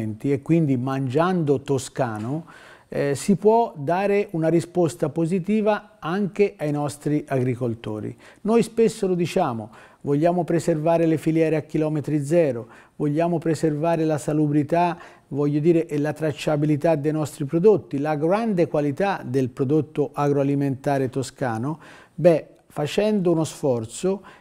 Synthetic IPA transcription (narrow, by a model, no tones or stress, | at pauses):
nt̪iekːwind̪imand͡ʒand̪ot̪oskaːno | sipwɔd̪aːɾeʔunaɾispost̪apozit̪iːva | aŋk̟eʔajnɔst̪ɾiʔaɡɾikolt̪o̰ːɾḭnojspesːolod̪it͡ʃaːmo̰ | voʎːaːmopɾeservaːɾelefiljɛːɾeakːilɔːmet̪ɾid̪zɛːɾo | voʎːaːmopɾeservaːɾelasalubɾit̪a | vɔʎːod̪iːɾeʔɛlat̪ɾat͡ʃːabilit̪ad̪ːejnɔst̪ɾipɾod̪ot̪ːilaɡɾand̪ekwalit̪ad̪elpɾod̪ot̪ːoʔaɡɾoaliment̪aːɾet̪oskaːno | bɛ | fat͡ʃɛnd̪ounosfɔrt̪so